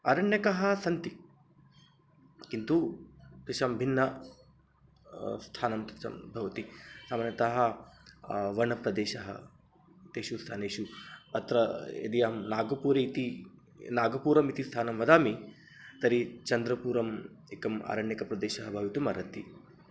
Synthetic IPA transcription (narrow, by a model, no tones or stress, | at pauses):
ɐ̰ɾɐɳjɐkɐɦɐ̆sɐnt̪i | kint̪ukɾiʃɐmbʱinːɐ | st̪ʰaːnɐmt̪it͡ʃɐ̰mbʱɐʋɐt̪isaːmaːnjɐt̪aɦɐ | ʋɐɳɐpɾɐd̪eːʃɐɦɐ̰ | t̪eːʃust̪ʰaːneːʃuɐt̪ɾɐḛd̪ijɐɐmnaːɡɐpuːɾeit̪i | naːɡɐpuːɾɐmit̪ist̪ʰaːnɐmʋɐd̪aːmi | t̪ɐɾit͡ʃɐnd̪ɾɐpuːɾɐm | ekɐma̰ːɾɐɳjɐkɐpɾɐd̪eːʃɐɦɐbʱɐʋit̪umɐɾɐnt̪i